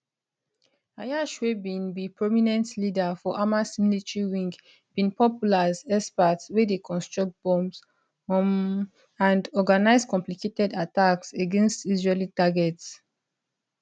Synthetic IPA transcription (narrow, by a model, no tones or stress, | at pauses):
ajaʃwebĩnbipɹominɛ̃ntlidafɔʔamasmlitɹiwĩŋɡ | b̥ĩnpɔpjulazɛspatswɛdekʰɔ̃nstɹɔk̚t̚b̥ɔ̃ms | ãndɔɡanaɪzkɔ̃mpliketɛdatakseɡɛ̃nstizɹelitaɡɛts